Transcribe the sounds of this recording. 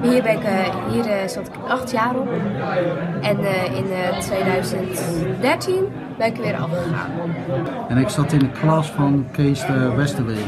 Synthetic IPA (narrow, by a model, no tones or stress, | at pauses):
hiərbɪnɪkhiərsɑtɪ̥kʔɑxtʰjaːɾɔp | ʔɛnɪntʋeːdœɥzəntdɛɹtʰin | bɛnɪkʋɪːɾʔɔ̰fəxa̰ːn | ɛnɪksɑtɪnəkʰlɑsfɔnkeːstəʋɛstəlɪ